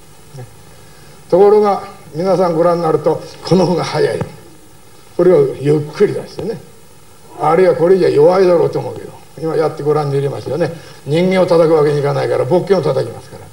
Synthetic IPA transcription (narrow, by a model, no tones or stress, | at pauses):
ne | t̪o̞ko̞ɾo̞ɡa | mʲinasãŋɡo̞ɾãnːaɾɯ̟t̪okʰo̞nohoɡahajaḭ | ko̞ɾeβajɯkʰːɯɾʲid̪eɕɨ̥t̪ene̞ | aɾɯiβako̞ɾed͡ʑiajo̞βaid̪aɾo̞ːt̪eomoɯ̟ke̞d̪o̰ | imajat̪ːe̞ɡo̞ɾãɲːd̪iiɾʲema̰st̪ejone̞ | ɲ̟ĩŋɡẽot̪at̪akɯ̟βake̞ɲikanaikaɾabo̞kːẽo̞t̪at̪akʲimasɨ̥kaɾa